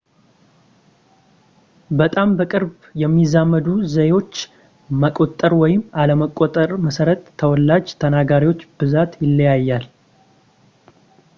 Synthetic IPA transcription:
bət̪ʼambəkʼɨɾb | jɛmːizamːəd̪uzəjwo̞t͡ʃː | məkʼot̪ʼːəɾwɔjɪmaləməkʼːot̪ʼəɾməsəɾət̪ʰːəwɔlːad͡ʒt̪ʰənaɡaɾiwo̞t͡ʃːbɨzat̪jɪlːəjajːal

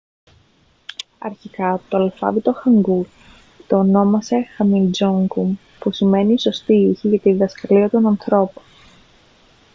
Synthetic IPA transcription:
ɐ̰ɾçikɐt̪o̞ɐlfɐ̰vit̪o̞xɐŋɡuɾ | t̪oːno̞mɐse̞xɐmild͡ʒoŋkum | pusime̞niːso̞st̪iiçiʝɐt̪iðɐskɐliɐt̪o̞nɐnθɾo̞po̥n

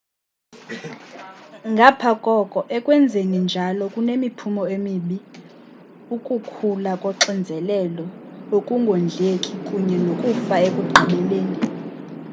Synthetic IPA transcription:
ŋɡʱapʰakʼɔkʼɔʔɛkʼwɛnd͡zʱenind͡ʒʱalɔkʼunemipʰumɔemiɓi | ukʼukʰulakʼɔǁind͡zʱɛlɛlɔokʼuŋɡʱond͡ɮʱekʼikʼuɲɛnokʼufaekʼuɡ͡ǃʱiɓɛleːni

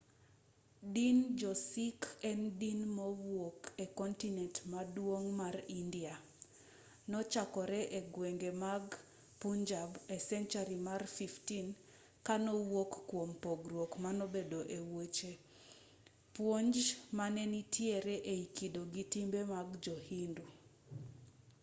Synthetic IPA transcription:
dind͡ʒɔsikɛndinmowokʰekɔntinɛntmadwoŋmarindia | nɔt͡ʃakɔɾɛʔeɡweŋɡemaɡ | puɲd͡ʒabɛsɛnt͡ʃaɾimarfiftin | kanɔwokːwompoɡɾwokmanɔbedoʔewot͡ʃe | pwoɲd͡ʒmanɛnitʰjeɾeʔeikidoɡitimbemaɡd͡ʒohindu

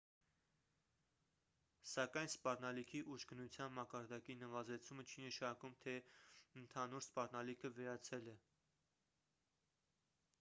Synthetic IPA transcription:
sɑkɑjnspɑrnɑlikʰiʔuʃɡənut͡sʰjɑnmɑkɑɾd̪ɑkinəvɑzɛt͡sʰumət͡ʃʰinəʃɑkumt̪ʰɛənt̪ʰɑnuɾspɑrnɑlikʰəvɛɾɑt͡sʰɛlɛ

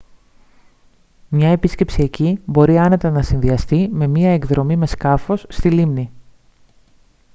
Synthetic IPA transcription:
mɲɐe̞pisce̞psiecibo̞ɾiɐne̞t̪ɐnɐsinðiɐst̪ime̞miɐe̞kðɾo̞mime̞skɐfo̞sːt̪ilimni

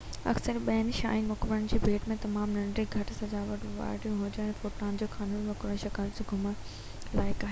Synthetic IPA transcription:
ɐ̰ksəɾɓɐɪnɪʃa̰ːinmʊkbɪɾənɪ̆d͡ʑiːbʱeːʈmẽt̪ɐmaːmnɐ̃ɳɖɾiɡʱɐʈɪsɐd͡ʑaːʋɐʈʋa̰ːɾʈijũɦʊd͡ʑoɛ̃ːnfoːʈaːnd͡ʑoːkʰaːnunʋɐkɾəʃɐkalseɡʱʊmə | laːɪkaːɦeː

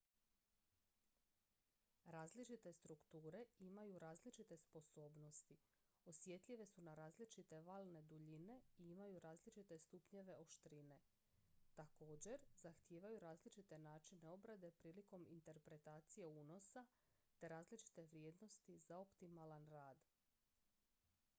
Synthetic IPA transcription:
ɾaːzlit͡ʃit̪e̞st̪ɾukt̪uːɾe̞imajuɾaːzlit͡ʃit̪e̞spo̞so̞ːbno̞st̪i | osje̞t̪ʎiʋe̞sunaɾaːzlit͡ʃit̪e̞ʋaːlˠne̞d̪uʎine̞iimajuɾaːzlit͡ʃit̪e̞st̪upɲe̞ʋe̞o̞ʃt̪ɾine̞ | t̪ako̞ːd͡ʑe̞ɾzaxt̪jeːʋajuɾaːzlit͡ʃit̪e̞naːt͡ʃine̞obɾad̪e̞pɾiːliko̞mint̪e̞ɾpɾe̞t̪aːt̪sije̞uːno̞sa | t̪e̞ɾaːzlit͡ʃi̥t̪e̞ʋɾje̞ːd̪no̞st̪izaopt̪imalanɾaːd̪

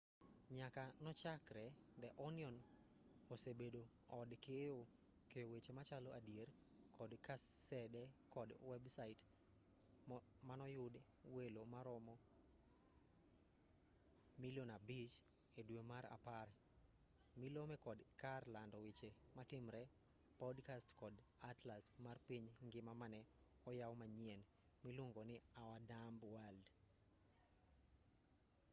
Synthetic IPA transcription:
ɲakanɔt͡ʃakɾɛ | dɛʔɔniɔn | osebedo | ɔdkejo | kejowet͡ʃemat͡ʃalɔʔadjeɾ | kʰɔdkasɛdɛ | kɔdwɛbsait | manɔjʊd | welomaɾɔmɔ | milonabit͡ʃ | edwemaɾa̰paɾ | milomɛkɔdkarlandɔwit͡ʃe | matɪmɾɛ | pɔdkastkɔd | atlasmarpiɲ | ŋɡɪmamanɛ | ɔjawmaɲiɛn | miluŋɡonɪ | awadambwald

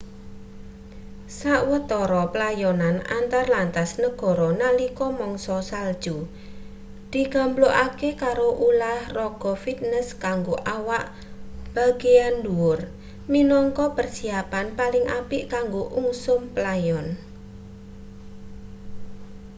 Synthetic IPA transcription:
saʔwət̪ɔɾɔplajɔnana̰nt̪arlant̪asnəɡ̥ɔ̤ɾɔnalikɔmɔŋsɔsald̥ʒ̥u | d̪̥i̤ɡ̥a̤mbloʔakekaɾoʔulahrɔɡ̥ɔ̤fit̪̚nəskaŋɡoʔawaʔ | b̥a̤ɡeanduʊr | minɔŋkɔpərsiapanpalɪŋʔapɪʔkaŋɡoʔuŋsʊmpəlajɔn

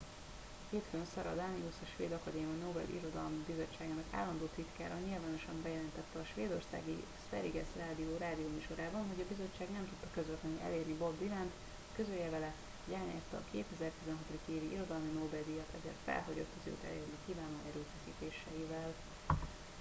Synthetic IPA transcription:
keːt̪føːnsɒɾɒ̰d̪aniusɒʃʋḛːd̪ɒkɒd̪eːminobɛ̰lʔḭɾo̞d̪ɒlmibizo̞t͡ʃːaːɡaːnɒka̰ːlːɒnd̪oːt̪it̪kaːɾɒɲilvaːno̞ʃɒmbɛjɛlɛnt̪ɛt̪ːɛɒʃʋeːd̪o̞rsa̰ːɡist̪ɛ̰ɾiɡɛsraːd̪ioːɾaːd̪ioːmyːʃoɾaːbɒnɦo̞ɟɒbizo̞t͡ʃːaːɡnɛmt̪ut̪ːɒkøzvɛt̪lɛniʔɛ̰leːrnibobd̪ilant̪ | køzøljɛvɛlɛ | ɟaːnaːst̪ɒːkʰeːt̪ɛzɛrt̪izɛnɦɒt̪od̪ikeːviiɾo̞d̪ɒlminobɛld̪ijɛt̪ʰɛzḛːrt̪fɛ̰lɦoɟo̰t̪ːɛzø̰t̪ɛ̰ljønnikiːvaːno̰ːʔɛɾøːfɛsḭːt̪eːʃɛjivɛl

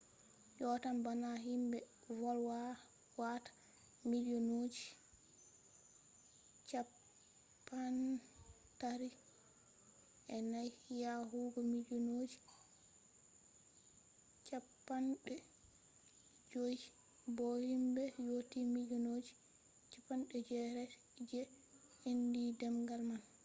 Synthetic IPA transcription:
jɔtambanaɦimbɛ | vɔlwa | watḁ | miliɔnod͡ʒi | t͡ʃapː | an | taɾi | ʔɛnajhijaɦuɡɔmilɔnod͡ʒi | t͡ʃapːanɗɛ | d͡ʒoj | bohimbɛjotimilɔnod͡ʒi̥ | t͡ʃapːanɗɛd͡ʒɛɾɛ | d͡ʒɛ | indidɛmɡalman

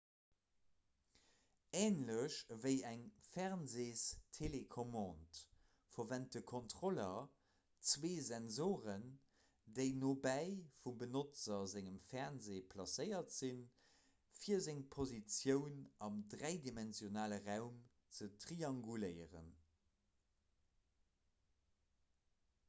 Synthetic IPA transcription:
eːnləɕvəɪæŋfɛʁnzeːstʰelekʰomɑ̃ːnt | fɐvænt̚dəkʰontʁ̥olɐ | t͡sweːzɛnzoːʁən | deɪnoːbæɪfumbənot͡sɐzæŋəmfɛʁnzeːpʰlɑsəɪɐtz̥in | fiːɐzɪŋpʰozit͡sjəʊnɑmdʁæɪdimɛnzjonaːləʁaʊm | t͡sətʁ̥iɑŋɡuləɪəʁə̰n

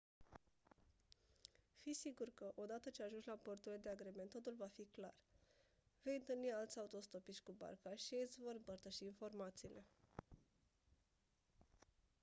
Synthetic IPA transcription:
fisiɡurkəʔo̞d̪at̪ət͡ʃeaʒunʒlaport̪uɾiled̪e̞aɡɾeme̞nt̪ːo̞t̪ulvafiklar | ve̞jɨnt̪ɨlnialt̪sʲaut̪o̞st̪o̞piʃʲkuba̰rkaʃiesʲvo̞ɾɨmpərt̪əʃiːnfo̞rmat̪siːlʔe̞

